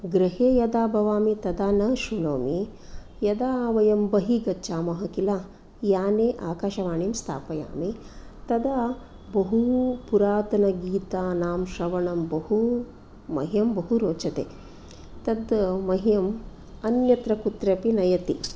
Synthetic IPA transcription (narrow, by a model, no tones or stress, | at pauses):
ɡɾɐɦeːjɐd̪aːbʱɐʋaːmit̪ɐd̪aːnɐʃunoːmi | jɐd̪aːʋɐjɐmbɐɦiɡɐtːt͡ʃaːmɐɦɐkilaː | jaːneːʔaːkaːʃɐʋaːɳimst̪ʰa̰ːpɐja̰ːmit̪ɐd̪a | bɐɦupuɾaːt̪ɐnɐɡiːt̪aːnaːmʃɐʋɐɳɐmbɐɦu | mɐ̰ɦijɐmbɐɦuɾoːt͡ʃɐt̪ḛː | t̪ɐd̪mɐɦijɐm | ɐnjɐt̪ɾɐkut̪ɾɐpinɐjɐt̪i